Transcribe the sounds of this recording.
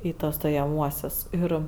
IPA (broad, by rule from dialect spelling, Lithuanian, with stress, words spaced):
ˈiː ˈtuɔs stoːjɛˈmuɔsʲʊs ˈɪr